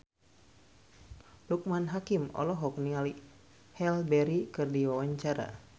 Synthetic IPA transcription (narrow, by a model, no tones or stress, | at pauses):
luk̚manɦakimɔ̰lɔɦɔk̚niali | hɛlbɛɾikɨrdiwawaɲt͡ʃaɾa̰